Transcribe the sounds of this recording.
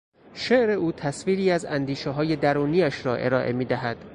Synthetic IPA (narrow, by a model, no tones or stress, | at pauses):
ʃeʔɾe̞uːt̪ʰæsviːɾiːæzænd̪iːʃeɦɒːje̞d̪æɾuːniːæʃɾɒːʔe̞̰ɾɒːʔe̞̰miːd̪æɦæd̪̥